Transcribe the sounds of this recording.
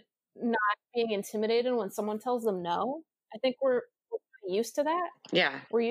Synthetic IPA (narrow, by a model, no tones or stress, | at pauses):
nət̚b̥iɪ̃ŋɨ̃ntʰɪ̃mɨɾeɪɾɨd̚wə̃nsʌ̃mwʌ̃ntʰɛlˠzðə̃mnoʊ | aɪθɪ̃ŋkwɪɹ | wəɹpɪijʉstʰɨðæt̚jæwɪɹj